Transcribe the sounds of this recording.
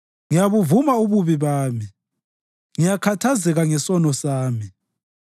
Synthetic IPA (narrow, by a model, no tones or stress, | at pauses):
ŋijaβuvumauβuβiβaːmi | ŋijakʰatʰazɛɣaŋɛsɔnɔsaːmi